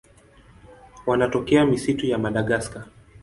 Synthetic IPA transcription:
wanatɔkɛamisitujamaɗaɠaska

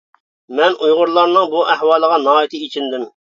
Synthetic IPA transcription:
mɛnujʁʊɾlˠɑɾnɨŋbuʔæhwɑːlˠəʁɑnɑːjit̪ʰɨit͡ʃʰind̪ɪm

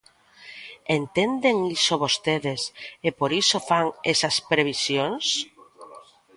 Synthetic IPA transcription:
ent̪end̪eŋisoβost̪eðesepoɾisofaŋesaspɾeβ̞isjoŋs

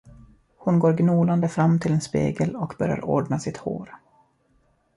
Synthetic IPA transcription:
hʊnɡoːɾɡnuːland̪əfɾamːt̪ʰɪlɛnspḛːɡəlɔkbœɾja̰ɾoːɖnasɪt̪ho̰ːɾ

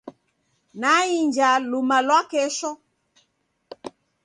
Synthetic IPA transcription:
naiɲd͡ʒalumalwakɛʃɔ

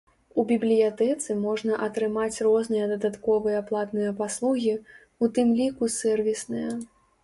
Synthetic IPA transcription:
ubʲiblʲijat̪ɛt̪sɨmɔʐnɐʔɐt̪ɾɨmat͡sʲrɔznɨjɐd̪ɐd̪at̪kɔvɨjɐplˠat̪nɨjɐpaslˠuɣʲi | ut̪ɨmlʲikusɛrvʲisnɨjɐ

